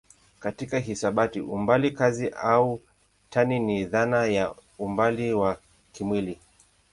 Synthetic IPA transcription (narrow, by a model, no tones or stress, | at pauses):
katikaɦisaɓatiʔumbalikaziʔau | tʰaniniðanajaumbaliwa | kimwili